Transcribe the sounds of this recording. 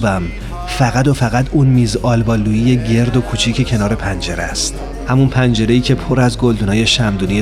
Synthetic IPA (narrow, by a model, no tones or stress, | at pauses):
bæm | fæɣæd̪o̞fæɣæt̪uːnmiːzʔɒːlbɒːlːuːjiːje̞ɟe̞ɾd̪o̞kʰut͡ʃʰiːcʰe̞cʰe̞nɒːɾe̞pʰænd͡ʒe̞ɾæ̰st̪ | hæmunpʰænd͡ʒe̞ɾe̞jiːcʲʰe̞pʰoɾæzɡo̞ld̪uːnɒːje̞ʃæmd̪uːnie